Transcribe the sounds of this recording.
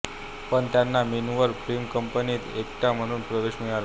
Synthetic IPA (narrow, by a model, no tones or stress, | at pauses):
pəɳt̪janːaminuʋəɾfɾimkəmpəniːt̪ek̚ʈ̪am̤əɽ̃uːnpɾəd̪eɕmiɭala